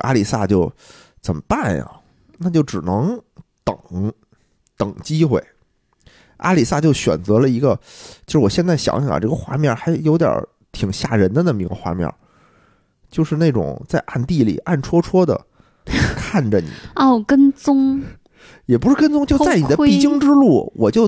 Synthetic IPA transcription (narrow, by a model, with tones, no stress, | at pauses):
ʔa̰˥li˨˩sa˥˧t͡ɕjo˥˩ʊ | t͡sə˨˩nmə˩pa˥˩njɐ̰˩ | na˥˧t͡ɕjo˥˩ʊʈ͡ʂɻ̩˨˩nɤ˧˥ŋt̪ɤ̰˨˩ŋ | t̪ɤ˨˩ŋt͡ɕi˥xwe˥˩ɪ | ʔa̰˥li˨˩sa˥˧t͡ɕjo˥˩ʊɕɥɛ̰˨˩nt͡sɤ˧˥lə˧i˧˥ɡə˧t͡ɕjo˥˧ʂɻ̩˥˩wɔ˨˩ɕjɛ˥˧nt͡sa˥˩ɪɕjɑ̰˧˥ŋ̰˥˩˨ʈ͡ʂɤ˥˩ɡə˧xwa̰˥˧mjɑ˥˩xa˧˥ɪjo˧˥ʊt̪jɑ̰˞˨˥ | t̪ʰi˨˩ŋɕja̰˥˩ɻə˧˥nd̪ə˧na˥˩mə˩i˧˥ɡə˧xwa̰˥˧mjɑ̰˥˩ | t͡ɕjo˥˧ʊʂɻ̩˥˧ne˥˩ɪʈ͡ʂʊ̰˨˩˦ŋt͡sa˥˧ɪʔa˥˧nt̪i˥˩lḭ˨˩ʔa˥˩nʈ͡ʂʰwɔ˥ʈ͡ʂʰwɔ˥d̪ə̰˨ | kʰa˥˩nʈ͡ʂə˨˩nḭ˨˩˦kə˥nt͡sʊ˥ŋ | jɛ˨˩p̬u˧˥ʂɻ̩˥˩kə˥nt͡sʊ˥ŋt͡ɕjo˥˧ʊa˥˩ɪni˨˩ə˦pi˥˩t͡ɕi˥ŋʈ͡ʂɻ̩˥lu˥˩wɔ̰˨˩t͡ɕjo˥˩ʊ